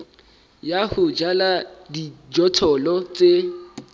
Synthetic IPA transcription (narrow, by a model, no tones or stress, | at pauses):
jahʊd͡ʒaladid͡ʒɔtʰɔlɔt͡sʼe